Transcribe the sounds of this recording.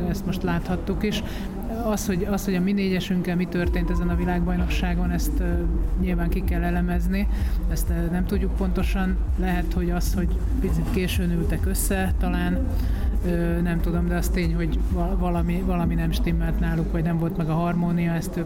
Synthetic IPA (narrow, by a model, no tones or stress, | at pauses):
ɛst̪mo̞ʃt̪laːt̪hɒt̪ːukiʃ | ɒsho̞ɟɒsho̞ɟɒmineːɟɛʃyŋkɛlmit̪ørt̪eːnt̪ɛzɛnɒvilaːɡ̚bɒjno̞kʃaːɡo̞nɛst̪ɲilvaːŋkikɛlːɛlɛmɛzniɛst̪nɛmt̪uɟːuk̚po̞n̪t̪o̞ʃɒnlɛɦɛt̪ho̞ɟɒsho̞ɟ | pit̪t͡sit̪keːʃøːnylt̪ɛkø̞sːɛt̪ɒlaːn | øː | nɛmt̪ud̪o̞md̪ɛɒst̪eːɲho̞ɟɒvɒlɒmivɒlɒminɛmʃt̪imːɛlt̪naːlukʋɒɟnɛmvo̞lt̪mɛɡɒɦɒrmoːnijɒɛst̪